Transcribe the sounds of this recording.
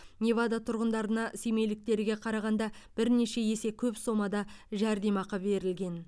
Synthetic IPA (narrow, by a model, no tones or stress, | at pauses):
nʲevad̪at̪ʰʊɾʁənd̪ɑɾənɑseme̞jlɪk̚t̪e̞ɾɪɡʲe̞qʰɑɾɑʁɑnd̪ɑb̥ɪɾne̞ʃe̞je̞se̞kʲʰɵpso̞mɑd̪ɑʒæɾd̪e̞mɑqɑbe̞ɾɪlɡʲe̞n